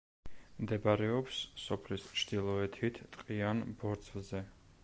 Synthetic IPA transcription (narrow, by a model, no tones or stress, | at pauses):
md̪ɛbaɾɛɔpssɔpʰlist͡ʃʰd̪ilˠɔɛt̪ʰit̪ʰt̪ʼqʼianbɔɾt̪sʰʼvzɛ